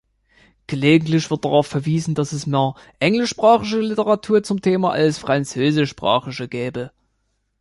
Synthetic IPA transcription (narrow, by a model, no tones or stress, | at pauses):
ɡ̥əleːɡŋ̩tlɪçv̥ɪɐt̚d̥aʁaʊfɛɐviːzn̩dasɛsmeːɐ | ʔɛŋlɪʃpʁ̥aːχɪʃ̬əlɪtəʁatʰuːɐt͡sʊmtʰeːmaʔa̰lsfʁ̥ant͡søːzɪʃpʁ̥a̰ːχɪʃəɡɛːbə